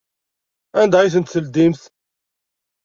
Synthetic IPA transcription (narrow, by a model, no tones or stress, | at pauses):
ænd̪æiθənt̪θəld̪imθ